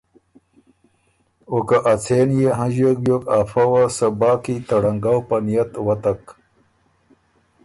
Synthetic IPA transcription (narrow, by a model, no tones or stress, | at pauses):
okaʔat͡sʰeːnjeɦãʑek̚bjokafɐwasɐbaːkit̪ɐɽɐŋɡawpɐnijɐt̪wɐt̪ɐk